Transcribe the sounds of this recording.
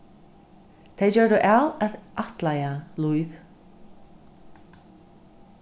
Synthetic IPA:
t̪ʰejt͡ɕœːɹðʏʔawɛðʔaht̪lajalujv

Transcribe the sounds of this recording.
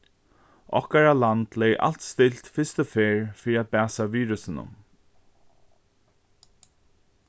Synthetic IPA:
ɔ̰hkaɹaland̪lejʔa̰lt̪st̪ɪlt̪fɪst̪əfeːɹfiɾiat̪̚bæːsaviːɾʉsɪnʊ̰m

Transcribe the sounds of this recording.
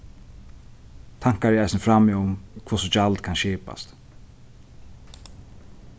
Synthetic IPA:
t̪ʰaŋ̥kaɾɛajsnəfɾamɪʊmkʰvusɔt͡ʃalt̪kʰanʃiːpa̰st̪

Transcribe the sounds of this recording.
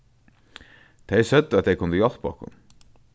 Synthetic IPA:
t̪ʰejsœt̪ːat̪ʰejkʰʊnt̪əjɔlpɔhkʊ̰n

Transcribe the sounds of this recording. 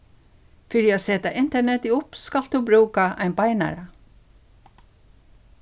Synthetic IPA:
fɪɾjɛasɛːt̪aʔɪnt̪ɛɳɛt̪ɪʊpskald̪ubɾuːkaʔa̰ɪnbajna̰ɾa

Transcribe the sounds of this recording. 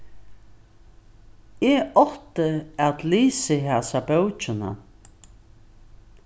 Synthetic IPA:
ɛɔht̪əat̪liːsɪɦaːsabœwt͡ʃɪna̰

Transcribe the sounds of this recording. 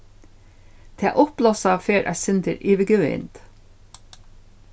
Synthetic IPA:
t̪ʰḛːʔʊplɔsɑːʋføːɾʔæ̰sʏnd̪əɾiːʋəɡʉːɪ̰nd̪̥

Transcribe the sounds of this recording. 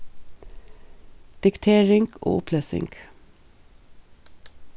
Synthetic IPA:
d̪̥ɪkt̪ʰeːɹɪŋɡ̥o̰ːʊpʰleːsɪ̰ŋɡ̥

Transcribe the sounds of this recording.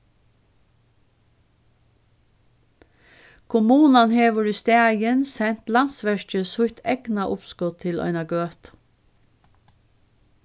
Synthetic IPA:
kʰʊmuːnɑnheːʋəɹiːst̪eːɑjənsɛnt̪lɑnsʋæʃt͡ʃəsʊçt̪ʰɛɡ̥nɑʔʊpskɔt̪t̪ʰɪlʔœ̰ʏnɑɡøːt̪

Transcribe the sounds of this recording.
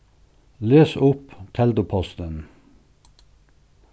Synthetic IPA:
løːsʊpt̪ʰɛld̪ʊpʰɔst̪ən

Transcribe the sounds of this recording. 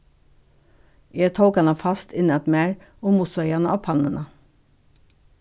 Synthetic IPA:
jeːt̪ʰəʊkɑnɑfɑst̪ʰɪnəɛt̪meːɹ | oːmʊsɑɪɑnəʔɑːpʰɑnənʔə

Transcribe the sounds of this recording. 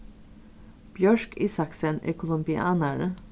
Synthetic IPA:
b̥jœʃkiːsɑksənḭːkʰʊlʊmbɪʔɑːnəɹə

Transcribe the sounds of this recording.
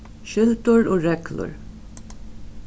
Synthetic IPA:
ʃɪlt̪ʊɹoːɹɛklʊ̰ɹ

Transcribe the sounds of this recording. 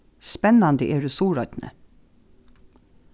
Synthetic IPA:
spɛnɑnd̪əʔeːɹʉːsuːɹœt̪nʔə̰

